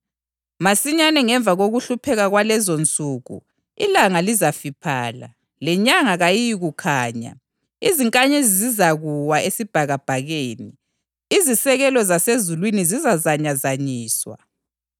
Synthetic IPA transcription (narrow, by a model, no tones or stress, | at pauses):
masiɲanɛŋɛɱb̪vʱaɣoɣuɬupʰɛɣaɣwalɛzont͡sʼuːɣṵ | ilaŋalizafipʰaːla̰ | lɛɲaŋaɣajijiɣukʰaːɲa̰ | iziŋkʼaɲezizizaɣuwaesib̥ʱaɣab̥ʱaɣeːni | izisɛɣɛlɔzasezulwinizizazaɲazaɲiːswa̰